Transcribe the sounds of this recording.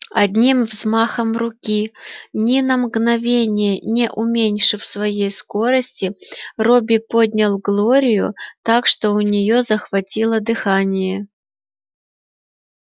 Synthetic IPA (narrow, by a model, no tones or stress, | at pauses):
ɐd̪ʲnʲimvzmaxəmrʊkʲinʲinəmɡnɐvʲenʲɪjənʲɪʔʊmʲenʲʂɨfsvɐjejsko̞ɾəsʲtʲɪrobʲɪpod̪ʲnʲɐlˠɡlˠoɾʲɪjʊ̰t̪akʂt̪o̞ʊnʲɪjo̞zəxvɐtʲilˠəd̪ɨxanʲɪjə